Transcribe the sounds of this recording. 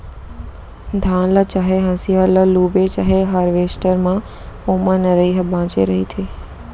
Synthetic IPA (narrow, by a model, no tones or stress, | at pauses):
d̪ʱãːnlət͡ʃaɦeɦə̃sialəlubet͡ʃaɦeɦaːɾʋesʈəɾmã | omanəɾəjɦəbãːt͡ʃḛɾəɦit̪ʰe